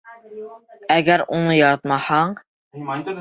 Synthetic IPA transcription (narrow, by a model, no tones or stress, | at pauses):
æɡʲæɾunɤjɒɾɑt̪mɑhɑɴ